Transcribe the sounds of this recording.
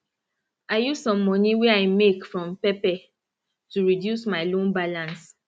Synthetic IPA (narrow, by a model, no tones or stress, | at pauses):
aɪjuzsɔ̃mːɔniwɛaɪmekfɹɔ̃mpɛpɛ | tuɹidjusmaɪlõnbalãns